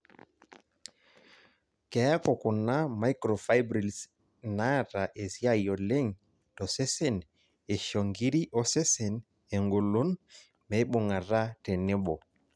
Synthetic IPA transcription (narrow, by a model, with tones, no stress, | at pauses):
kɛ˨a˦kɔ˨kʊ˨na˦ma˦i˦kɾɔ˨fa˦jbɾi˨ls | na˦˨ɾa˨ʔe˨sja˦jɔ˨le˦ŋ | tɔ˨sɛ˦se˦˨n | e˨ʃɔ˨ŋɡi˦ɾi˦ʔɔ˦sɛ˦se˨n | e˨ŋɡo˨lo˦n | mɛ˨˦ɓo˨ŋa˨ɾa˦tɛ˨nɛ˦ɓɔ˨